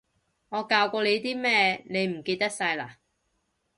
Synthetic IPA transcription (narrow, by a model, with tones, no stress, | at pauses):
ŋɔː˨˧kaː˧wkʷɔː˧le˨˧jt̪iː˥mɛː˥ne˨˧jm̩˨˩ke˧jt̪ɐ˥k̚sɐ˧jlaː˨˩